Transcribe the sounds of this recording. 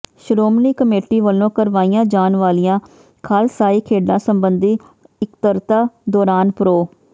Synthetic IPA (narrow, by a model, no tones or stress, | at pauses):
ʃɾoːmniːkəmeːʈiːʋəlːõːkəɾʋaːijãːd͡ʒaːnʋaːlijãː | kʰaːlsaːiːkʰeːɖãːsəmbənd̪iː | ɪkt̪əɾt̪aːd̪ɔːɾaːnpɾoː